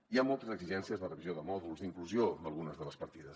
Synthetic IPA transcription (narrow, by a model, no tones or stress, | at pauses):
iamɔlˠt̪əzəɡziʒɛnsiəzðərəβizioðəmɔðulˠzd̪iŋkluziod̪əlˠɣunəzðələspəɾt̪iðəs